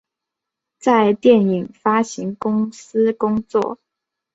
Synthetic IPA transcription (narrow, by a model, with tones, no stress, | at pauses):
t͡sa˥˧ɪt̪jɛ˥˩ni˨˩ŋfa˥ɕi˧˥ŋkʊ˥ŋs̩˥kʊ˥ŋt͡swɔ̰˥˩